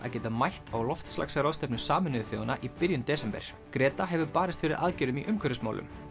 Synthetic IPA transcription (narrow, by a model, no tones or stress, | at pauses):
ʔa̰ðcɛːt̪amajht̪ʰawlɔft̪sla̰ksɾawðst̪ɛpnʏsaːmʏnɪðʏθjo̰wanaʔipɪɾjʏnt̪ɛːsɛmpɛ̰ɾ̥ | kɾɛːt̪aɦɛvʏpaːɾɪst̪fɪɾɪɾaðcɛːɾʏmiʔʏmkʰœɾʏsma̰ːwlʏ̰m